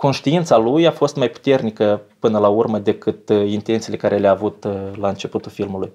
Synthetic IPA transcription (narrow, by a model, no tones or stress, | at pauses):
ko̞nʃt̪iint̪salujafo̞st̪majpu̥t̪e̞rnikəpɨnəlaurməd̪e̞kɨt̪int̪e̞nt̪silekaɾʔe̞leaːvut̪laɨnt͡ʃe̞put̪ulfilmuluj